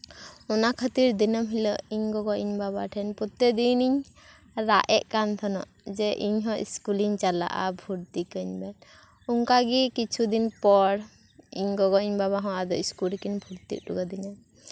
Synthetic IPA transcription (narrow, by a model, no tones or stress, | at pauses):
ɔnakʰət̪iɾd̪inəmɦilɔʔiɲɡɔɡɔʔiɲbabaʈʰɛnpɔt̪ed̪iniɲ | ɾaʔɛʔkant̪ʰɔnɔ̰ʔd͡ʒɛʔiɲɦɔ̃ʔḭskuliɲt͡ʃala̰ʔa̰bʱuɾt̪ikəɲbɛn | uŋkaɡikit͡ʃʰud̪inpɔɽ | iɲɡɔɡɔiɲbaβaɦɔ̃ad̪ɔiskulkinbʱuɾt̪ḭʔ̚ɾṵɡad̪inan